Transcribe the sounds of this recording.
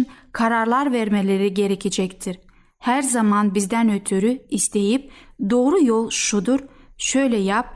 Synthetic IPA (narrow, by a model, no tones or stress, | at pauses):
nkʰaɾaɾlˠaɾvɛɾmelʲeɾiɟe̞ɾecʰed͡ʒɛct̪ʰiɾ | hæɾzamanbizd̪ænøt̪ʰyɾyist̪ʰe̞jip̚d̪o̞ːɾujolˠʃud̪uɾʃø̞jlʲɛjap̚